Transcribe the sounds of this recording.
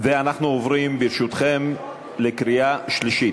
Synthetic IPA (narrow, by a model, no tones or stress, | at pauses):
veanaχnuovɾimbiɾʃut̪χem | lekɾiaʃliʃit